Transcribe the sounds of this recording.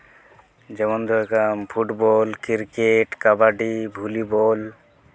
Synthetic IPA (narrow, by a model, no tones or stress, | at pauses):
d͡ʒɛmɔnd̪ɔɛkampʰuʈbɔlkiɾkeʈkabaɖibʱulibɔl